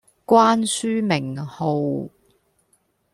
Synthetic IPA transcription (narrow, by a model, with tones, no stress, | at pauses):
kwaː˥nsyː˥mɪ˨˩ŋho˨˧w